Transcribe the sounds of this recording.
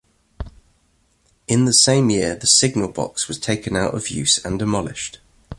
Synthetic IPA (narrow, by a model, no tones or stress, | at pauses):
ɪ̃nðəsẽɪ̃mjɪəðəsɪɡ̚nəlˠbɒ̰kswɒz̥tʰeɪkə̃naʊtə̰vjʉ̰ˑsə̃ndɪmɒlɪ̰ʃt